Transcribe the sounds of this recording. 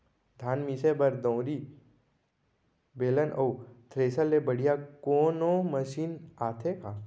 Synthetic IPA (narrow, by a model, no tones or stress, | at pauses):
d̪ʱaːnmiːsebɐɾd̪õwɾi | beːlənʔot̪ʰɾeːsəlːebɐɽ̤ijakoːnõməʃiːnaːt̪ʰekaː